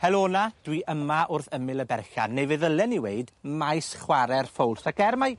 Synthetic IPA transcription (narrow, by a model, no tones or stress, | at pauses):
hɛlˠoːnad̥wiʔəmaʔʊrθəmɪlˠəbɛrɬa̰nːevɨðəlˠɛniweɨdmajsχwaɾɛrfowlˠsak̚ɡ̥ɛrmaj